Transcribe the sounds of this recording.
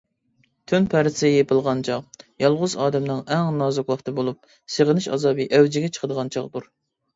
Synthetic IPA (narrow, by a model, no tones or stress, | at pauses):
t̪ʰynpʰæɾsɨjepʰəlˠʁɑnt͡ʃʰɑʁjɑlˠʁʊzɑːd̪ɛmnɨŋɛŋnɑːzuklˠɑχt̪ʰɨbolˠup̚ | seʁənɪʃɑ̰zɑːbɨʔɛwd͡ʒɪɡʲɛt͡ʃʰə̥qəd̪əʁɑnt͡ʃʰɑʁd̪uɾ